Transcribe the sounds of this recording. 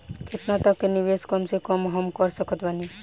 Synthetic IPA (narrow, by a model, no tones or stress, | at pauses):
kʰet̪nat̪ɔkenibeskɔmsekɔmɦɔmkɔɾsɔkʰɔt̪bani